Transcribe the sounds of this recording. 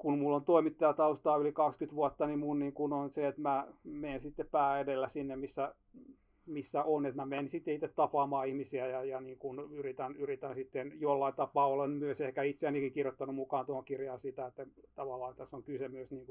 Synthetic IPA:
kunmulːont̪oimit̪ːɑjɑt̪ɑust̪ɑːylikɑkskyt̪ʋuot̪ːɑnimunniŋkunonseet̪mæmeːnsit̪ːeppæːedelːæsinːemisːæ | misːæʔonet̪mæmeːnsit̪ːeit̪ːet̪t̪ɑpɑːmɑːihmisiæjɑjɑniːŋkunyrit̪ænyrit̪ænsit̪ːenjolːɑint̪ɑpɑːolenmyøsehkæit̪seænikiŋkirjot̪ːɑnumukɑːnt̪ohoŋkirjɑːnsit̪æet̪ːæt̪ɑʋɑlːɑːet̪ːæsoŋkysemyøsniːŋku

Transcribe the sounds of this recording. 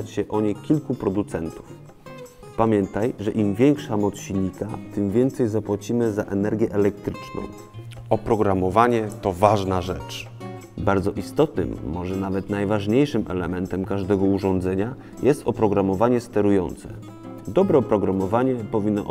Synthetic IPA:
at͡ɕɕɛʔɔɲekʲilkupɾɔd̪ut̪sɛnt̪u̥f | pamʲjɛnt̪ajʐɛʔimvʲjɛŋkʂamɔt̪sɕiɲik̪at̪ɘmvʲjɛnt̪sɛjzapwat͡ɕimɘzaʔɛnɛɾɡʲjɛʔɛlɛk̚t̪ɾɘt͡ʂnɔ̰̃w̃ | ɔpɾɔɡɾamɔvaɲɛt̪ɔvaʐnaʐɛt͡ʂ | baɾd̪zɔʔist̪ɔt̪nɘ̰mːɔʐɛnavɛt̪najvaʐɲejʂɘmʔɛ̰lɛ̰mɛnt̪ɛmkaʐd̪ɛɡɔuʐɔ̃nd̪zɛɲa | jʔɛst̪ɔpɾɔɡɾamɔvaɲɛst̪ɛɾujɔ̰nt̪sɛ̰ | d̪ɔbɾɛɔpɾɔɡɾamɔvaɲɛpɔvʲinːɔ̰ʔ

